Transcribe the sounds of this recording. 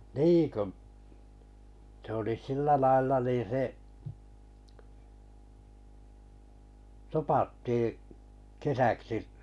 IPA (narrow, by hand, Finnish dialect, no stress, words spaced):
ni ku̟ s oli silːæ lɑilːɑ niːn̞ se topɑtːiː kesæksiʔ